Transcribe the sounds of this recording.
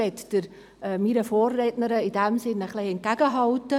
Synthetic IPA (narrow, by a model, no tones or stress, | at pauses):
ɛtd̥əɾ | miɾəfoːrːɛtnəɾəid̥ɛmsɪnəχleɪɛnt̚kæɡ̥əɦɑltːə